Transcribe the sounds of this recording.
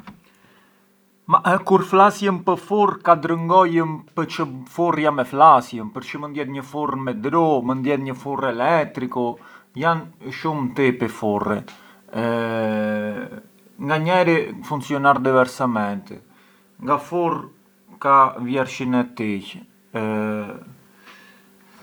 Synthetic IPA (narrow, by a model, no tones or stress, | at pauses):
makuɾflasjəmpəfurkad̪ɾəŋɡɔjəmpət͡ʃəfurjamɛflasjəmpəɾt͡ʃəmənd̪jɛt̪ɲəfurmɛd̪ɾɔmənd̪jɛt̪ɲəfurɛlɛt̪ɾikɔjanʃumt̪ɛpɛfurɛ | ŋɡaɲɛɾɛfunsiɔnaɾd̪ivɛɾsamɛnt̪ɛ̰ | ŋɡafur | kavjɛɾʃinɛt̪ɛc